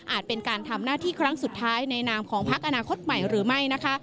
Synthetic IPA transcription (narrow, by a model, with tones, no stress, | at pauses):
ʔaː˨˩t̪̚pe˧nkaː˧nt̪ʰa˧mnaː˥˩t̪ʰiː˥˩kʰɾa˦˥ŋsu˨˩t̪ʰːaː˦˥jna˧jnaː˧mkʰɔː˩˦ŋpʰa˦˥k̚ʔa˧naː˧kʰo˦˥t̪̚ma˨˩jɾɯː˩˦ma˥˩jna˦˥kʰa˦˥ʔ